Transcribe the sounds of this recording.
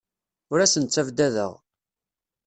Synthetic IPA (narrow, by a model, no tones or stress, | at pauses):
ʊɾæsənt͡sːævd̪æðə̰ʁ